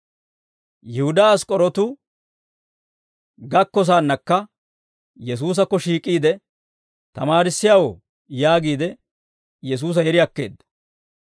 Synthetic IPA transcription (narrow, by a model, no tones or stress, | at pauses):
jɪhʊd̪aːskʼɔɾɔt̪ʊ | ɡɐkːɔs̬aːnːɐkːɐ | jɛs̬uːs̬ɐkːɔʃiːkʼːiːd̪ɛ | t̪ɐmaːɾɪsːɪjawɔ | jaːɡiːd̪ɛ | jɛs̬uːs̬ɐjɛɾɪɐkːe̞̰ːd̪ːɐ̥